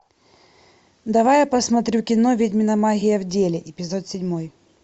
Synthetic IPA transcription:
d̪ɐvajapɐsmɐt̪ɾʲukʲɪnovʲedʲmʲɪnɐmaɣʲɪjɐvdʲelʲɪʔɪpʲɪzot̪sʲɪdʲmoj

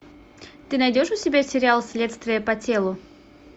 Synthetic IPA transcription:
t̪ɨnɐjdʲo̞ʂʊsʲɪbʲasʲɪɾʲɪalˠsʲlʲe̞t̪st̪vʲɪjəpɐtʲelˠʊ

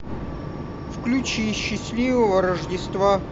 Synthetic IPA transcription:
fklʲut͡ɕiɕːɪsʲlʲivəvəɾəʐdʲɪst̪va

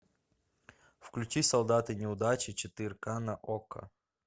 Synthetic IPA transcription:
fklʲʉt͡ɕisɐlˠd̪at̪ɨnʲɪʊd̪at͡ɕɪt͡ɕɪt̪ɨɾʲkanɐʔokə̰

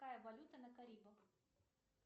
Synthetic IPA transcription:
ajɐbɐlʲut̪ɐnɐkɐɾʲibɐx

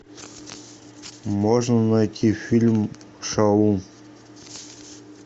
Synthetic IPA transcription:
moʐnənɑjt̪ʰʲifʲilʲm | ʂɑlˠu

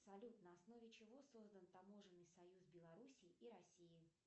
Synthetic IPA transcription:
psɐlʲut̪nəɐsno̞vʲɪt͡ɕɪvo̞so̞zd̪ənt̪ɐmo̞ʐɨnːɨjsɐjuzbʲɪlˠɐɾusʲiːʔiɾɐsʲijɪ

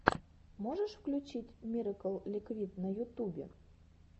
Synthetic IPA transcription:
moʒəʃfklʲut͡ɕitʲmʲiɾəkəlˠlʲikvʲit̪nəjut̪ubʲḛ

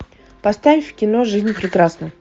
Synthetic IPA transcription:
pɐst̪avʲɪfʲfkʲɪno̞ʐɨzʲnʲpɾʲɪkɾasnəj

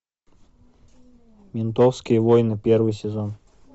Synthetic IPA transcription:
mʲɪnt̪ofskʲijəvojnɨpʲervɨjsʲezon

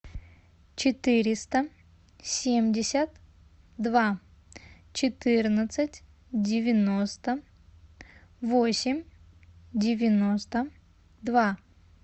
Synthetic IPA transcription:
t͡ɕɪt̪ɨɾʲɪst̪ə | sʲemʲdʲɪsʲət̪ | d̪va | t͡ɕɪt̪ɨrnət̪sɨtʲ | dʲɪvʲɪnost̪ə | vosʲɪmʲ | dʲɪvʲɪno̞st̪ə | d̪va

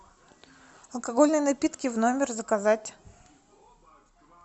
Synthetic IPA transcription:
ɐlˠkɐɡo̞lʲnɨjnɐpʲit̪kʲɪvno̞mʲɪrzəkɐzatʲ

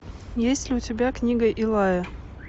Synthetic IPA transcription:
jesʲtʲlʲɪʊtʲɪbʲaknʲiɡəjʔɪlˠajə

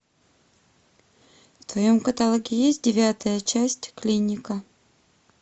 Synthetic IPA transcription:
ft̪vɐjomkət̪ɐlˠoɡʲɪjesʲt̚ʲdʲɪvʲat̪əjət͡ɕæsʲtʲklʲinʲɪkə

